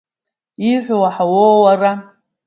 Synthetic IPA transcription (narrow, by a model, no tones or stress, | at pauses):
iħʷwaħawowara